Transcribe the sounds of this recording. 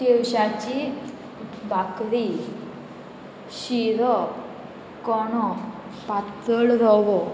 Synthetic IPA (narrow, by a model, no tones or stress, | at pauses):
t̪ewɕat͡ɕi | bakɾi | ɕiɾɔ | kɔnɔ | pat̪ːəɭɾɔʋɔ